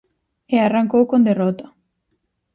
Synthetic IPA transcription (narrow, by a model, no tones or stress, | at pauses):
earaŋkowkond̪erot̪a